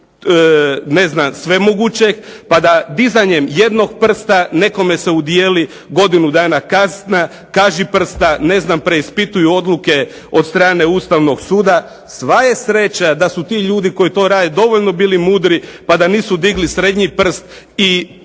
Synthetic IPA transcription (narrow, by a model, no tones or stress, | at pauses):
ne̞znamsʋe̞moɡut͡ɕe̞kpad̪ad̪izaɲe̞mje̞d̪no̞ɡ̚pr̩st̪ane̞ko̞me̞se̞ud̪jeːli | ɡo̞d̪inud̪aːnakazna | kaːʒipr̩st̪ane̞znampɾe̞ispit̪ujuo̞d̪luke̞ | o̞d̪st̪ɾaːne̞uːst̪aʋno̞ɡsuːd̪a | sʋaje̞sɾe̞t͡ɕad̪asut̪iʎuːd̪iko̞jit̪o̞ɾaːd̪ed̪o̞ʋo̞ʎno̞biːlimuːd̪ɾipad̪aniːsud̪iɡlisɾe̞d̪ɲipr̩st̪ | i